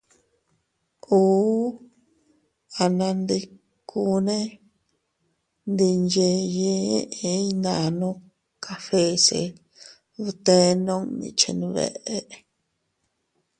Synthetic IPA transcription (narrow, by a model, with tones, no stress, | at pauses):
uː˦ | a˧nã˧nd̪i˧ | kʰu˦˧nẽ˦ | nd̪i˧nd͡ʒe˧je˦ʔe˧˦nã˧nũ˦ | kʰa˧fe˦sḛ˧ | βu˧t̪e˧˦˧nõ˦nḭ̃˧t͡ʃḭ˧nũ˧βḛ˧ʔe˦ʔ